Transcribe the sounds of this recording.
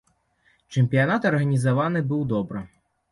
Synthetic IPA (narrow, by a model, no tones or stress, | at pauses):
t͡ʂɛmʲpʲijanat̪ɐrɣɐnʲizavan̪ɨbɨwd̪ɔbɾɨ